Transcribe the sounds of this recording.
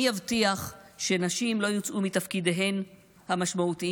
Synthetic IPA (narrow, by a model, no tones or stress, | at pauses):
avtiaχʃenaʃimlo̞jot͡sʔumit̪afkideɦe̞n | hamaʃmaut̪i